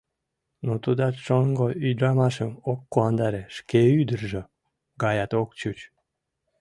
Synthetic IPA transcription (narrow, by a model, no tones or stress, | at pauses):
not̪ud̪ɑt͡ʃoŋɡoyd̪ɾɑmɑʃəmokːoɑnd̪ɑɾeʃkeyd̪ərʒe | ɡɑjɑt̪ok̚t͡ɕut͡ɕ